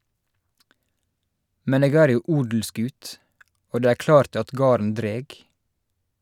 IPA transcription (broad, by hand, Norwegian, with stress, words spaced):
ˈmɛn ˈeːɡ ˈæːɾ ˈjuː ˈʔuːdl̩ˌskʉːt ˈoː ˈdeː ˈæːɹ ˈklɑːɾt ˈɑt ˈɡɑːɾən ˈdɾeːɡ